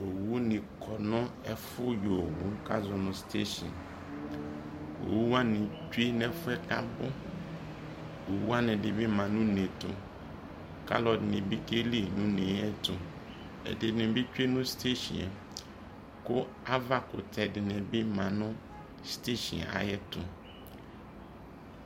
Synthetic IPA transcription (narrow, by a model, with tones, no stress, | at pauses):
o˨wu˦nɪ̃˨kʰɔ˨nʊ̃˦ɛ˦fʊ˦jo˨wu˦ka̰˦zʊ˨nʊ̃˨ste˦ʃɔ̰˨n | o̰˨wu˦a˦nɪ̃˨t͡ʃe˦nɛ˦fʊ˦ɛ˦ka˦bʊ˦ | o˨wu˦a˦nɪ̃˨dɪ˨bɪ˦mã˨nʊ̃˦nẽ˨tʊ̰˨ | ka̰˦lɔ˨dnẽ˨bi˦ke˦li˦nʊ̃˦ne˨˦ɛ˦tʊ˨ | ɛ̰˨dɪ˨dnɛ̃˨bɪ˦t͡ʃᶣu˦e˦nʊ̃˦ste˦ʃḭ˨ɛ˨ | kʊ˦ | a˦va˦kʊ̰˨tʰɛ˨dɪ˨nɛ̃˨bɪ˦mã˨nʊ̃˦ | ste˦ʃḭ̃˨a̰˨jɛ˦tʊ˨